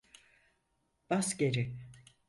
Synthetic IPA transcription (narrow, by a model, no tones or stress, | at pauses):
b̥asɟeɾi